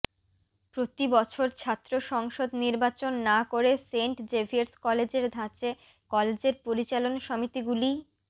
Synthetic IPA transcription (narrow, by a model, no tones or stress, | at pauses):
pɾot̪ibɔt͡ɕʰoɾt͡ɕʰat̪ːɾoʃɔŋʃod̪niɾbat͡ɕonːakoɾeseɳʈd͡ʑebʱiɾskɔled͡ʑeɾd̪ʱãt͡ɕe | kɔled͡ʑeɾpoɾit͡ɕalonʃɔmit̪iɡuli